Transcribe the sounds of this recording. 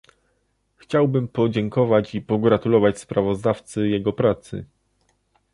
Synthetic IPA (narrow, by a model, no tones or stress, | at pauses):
xt͡ɕawbɘmpɔd͡ʑɛŋkɔvat͡ɕipɔɡɾat̪ulɔvat͡ɕspɾavɔzd̪aft̪sɘjɛɡɔpɾat̪sɘ̰